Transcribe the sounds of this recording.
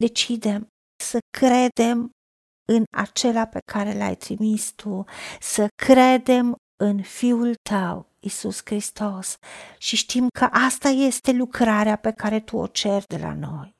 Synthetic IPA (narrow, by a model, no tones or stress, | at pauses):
d̪e̞t͡ʃid̪e̞m | səkɾe̞d̪e̞m | ɨna̰t͡ʃe̞lape̞kʰaɾe̞la̰jt̪ɾimist̪ʰusəkʰɾe̞d̪e̞m | ɨnfiult̪ʰəw | isuskɾist̪o̞sʃiʃt̪imkʰəʔast̪aje̞st̪e̞lukɾaɾeape̞kaɾe̞t̪uo̰t͡ʃe̞rd̪e̞̰la̰no̞̰j